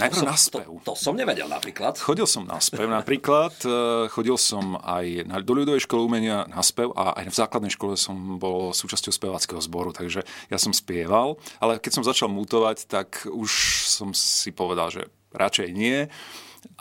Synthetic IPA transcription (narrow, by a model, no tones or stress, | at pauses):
najprɾʊnaspɛʊt̪ɔsɔmɲɛʋɛɟɛ̰lna̰pɾiːklat̪xɔɟilsɔmnʔa̰spɛʊnapɾiːklat̪xɔɟilsɔma̰jnad̪ɔʎud̪ɔʋɛjʃkɔliumɛɲɪanaspɛʊʔa̰ʔa̰jvz̥aːklad̪nɛjʃkɔlɛsɔmbɔlsuːt͡ʃascɔʊspɛʋaːt͡skɛɦɔzbɔɾut̪ʰaɡʒɛjasɔmspɪɛʋalalɛkɛcsɔ̃mzat͡ʃalmut̪ɔʋact̪akuʃsɔmsipɔʋɛd̪a̰lʒɛ̰ | ɾʔat͡ʃɛjɲɪɛ